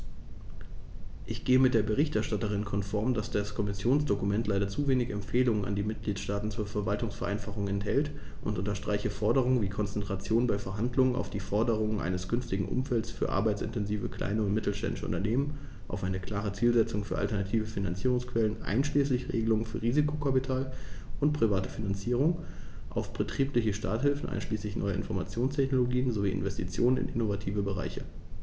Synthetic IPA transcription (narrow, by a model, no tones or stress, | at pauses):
ʔɪçɡ̥eːəmɪt̚d̥eːɐbəʁ̞ɪçtɛɐʃtatəʁ̞ɪnkʰɔnfɔɐmdasd̥askʰɔmɪsjoːnsd̥okumɛntlaɪɾɐt͡suveːnɪçɛmfeːlʊŋəna̰ndiːmɪt̚ɡ̥liːtʃtaːtn̩t͡suːɐfɛɐvaltʊŋsfɛɐʔa̰ɪnfaχʊŋɛnthɛlt | ʔʊntʔʊntɐʃtʁ̥aɪçəfɔɐdəʁ̞ʊŋənviːkʰɔnt͡sɛntʁ̥at͡sjoːnbaɪfɛɐɦandlʊŋəna̰ʊfd̥iːfɔɐdəʁ̞ʊŋənʔa̰ɪnəsɡ̥ʏnftɪɡŋ̩ʔʊ̰mfɛltsfyːɐʔa̰ɐbaɪtt͡sɪ̰ntɛnziːvəkʰl̥a̰ɪnəʊntmɪtl̩ʃtɛ̰ndɪʃə̰ʔʊ̰ntɐneːmən | ʔa̰ʊfʔaɪnəkʰl̥aːʁ̞ət͡siːlzɛt͡sʊŋfyːɐʔa̰ltɐnatʰiːvəfina̰nt͡siːʁʊŋskv̥ɛlənʔa̰ɪnʃliːslɪçʁḛːɡəlʊŋənfyːɐʁiːzikʰokʰapitʰaːlʔʊnt̚pʁ̥ivaːtəfinant͡siːʁ̞ʊŋ | ʔa̰ʊfb̥ətʁ̥iːplɪçəʃta̰ɐthɪlfn̩ʔa̰ɪnʃliːslɪçnʔɔʏəʔɪ̰nfɔɐmat͡sjoːnstʰɛçnoloɡiːənzoviːʔɪ̰nvɛstʰit͡sjoːnənɪ̰nʔɪ̰novatʰiːvəbəʁa̰ɪçə